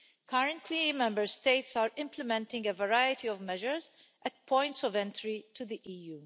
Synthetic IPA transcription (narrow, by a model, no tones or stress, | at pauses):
kʰʌɾə̃ntʰlimɛ̃mbəɹst̪eɪtsaːɾɪ̃mpləmɛ̃ntɪ̃ŋɡəvəɹajətiɔvmɛʒəɹz | ʔɛt̚pʰɔ̃j̃ntsɔvɛ̃ntɾitʰud̪iʔiːjuː